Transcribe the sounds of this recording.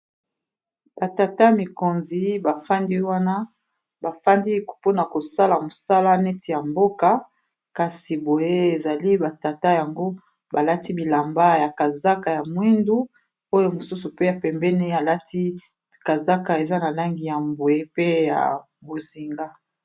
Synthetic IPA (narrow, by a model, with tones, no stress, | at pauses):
ba˨ta˨ta˦mi˨ko˨nzi˦ba˨fa˦ndi˦wa˦na˦ | ba˨fa˦ndi˦kpo˦na˨ko˨sa˦la˨mo˨sa˦la˦nɛ˦ti˨ja˨mbo˦ka˨ | ka˨si˨bo˨je˦e˨za˨li˦ba˨ta˨ta˦ja˨ŋɡo˦ | ba˨la˦ti˦bi˨la˨mba˦ja˨ka˨za˦ka˨ja˨mwi˦ndu˦ | o˦jo˦mo˨su˦su˨pe˦ja˨pɛ˨mbɛ˦ne˦a˨la˦tʰi˦ | ka˨za˦ka˨e˨za˦na˨la˦ŋɡi˨ja˨mbo˨je˦pe˦ja̰˨ | bo˨zi˨ŋɡa˦